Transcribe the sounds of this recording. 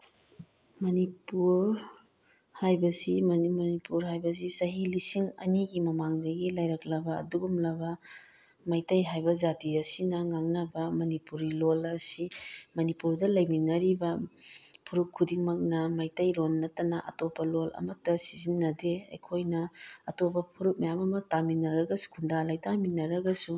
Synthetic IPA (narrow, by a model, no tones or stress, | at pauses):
mɐnipuɾ | hajbɐsimɐnmɐnipuɾɦajbɐsisɐɦilisiŋɐ̰niɡimɐmaŋdɐɡilajɾɐklɐbɐɐ̰duɡumlɐbɐ | majtɐjɦajbɐzatiɐsinɐŋaŋnɐbɐmɐnipuɾilolɐsimɐnipuɾdɐlɐjminːɐɾibɐ | pʰuɾukʰːudiŋmɐk̚nɐmɐjtɐjlonːɐtɐnɐʔɐ̰topːɐlolɐ̰mɐk̚tɐsizinːɐdeɐ̰jkʰojnɐɐtopɐpʰuɾuk̚mɐjamɐmɐtaminːɐɾɐɡɐsu̥kʰundalɐjtaminːɐɾɐɡɐsu